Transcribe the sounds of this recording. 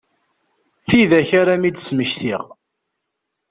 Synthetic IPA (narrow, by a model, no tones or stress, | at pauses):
θiðæçaɾamid̪əsməçθḭʁ